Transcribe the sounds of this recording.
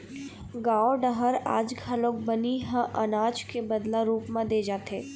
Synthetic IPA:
ɡaːoɖəɦəɾaːd͡ʒɡʰʱɐloːk̚bɐniɦə̃ʔɐnaːd͡ʒkebɐd̪laɾuːpmãd̪eːd͡ʒaːt̪eː

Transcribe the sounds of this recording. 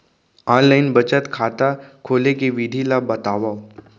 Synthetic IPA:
ɔːnlaɪnbət͡ʃət̪kʰaːt̪akʰoːlekeʋid̪ʱilabɐt̪aːʋa

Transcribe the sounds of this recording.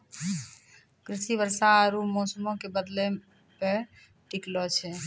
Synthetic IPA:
kɾisibəɾsaɾumosəmõkebəd̪le | pe | ʈiklɔt͡ʃʰɛ

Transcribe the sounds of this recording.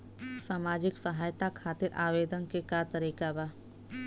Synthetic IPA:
saːmaːd͡ʒɪksɐɦaːjt̪akʰaːt̪ɪɾa̰ːʋeːd̪ənkekat̪ɐɾiːkabaː

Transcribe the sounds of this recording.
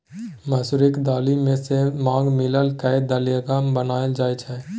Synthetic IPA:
məsuɾɪkd̪aːlimẽsemãːŋɡmɪləlkəjd̪alijəɡambənaːəld͡ʒaːet͡ʃʰɛː

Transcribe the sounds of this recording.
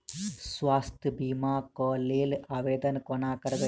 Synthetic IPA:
sʋaːst̪ʰbimaːkɔːleːlaːʋeːd̪ɐnkɔnaːkɐɾɐʋɐ

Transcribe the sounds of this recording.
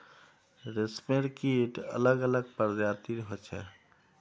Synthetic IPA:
ɾesmeɾkiʈə̰ləɡələɡ̚pəɾd͡ʒaɾt̪iɾɦot͡ʃʰɛ̰

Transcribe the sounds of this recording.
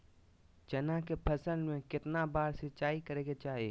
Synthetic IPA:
d͡ʒɐnakepʰɐsəlmẽkɪt̪nabaːɾset͡ʃaːikɐɾeːɡet͡ʃaːɦḛː

